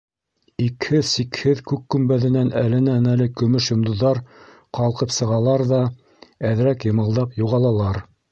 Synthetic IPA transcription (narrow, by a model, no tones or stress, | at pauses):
ikhɘðsikhɘðkʉkːɵ̆mbæðɘ̆nænælɘ̆nænælɘkɵ̆mɵʃjŏmd̪ŏðːɑɾ | qɑlˠqɤpsɤ̆ʁɑlˠɑɾðɑ | æðɾækjɤ̆mɤ̆lˠd̪ɑpjuʁɑlˠɑlˠɑɾ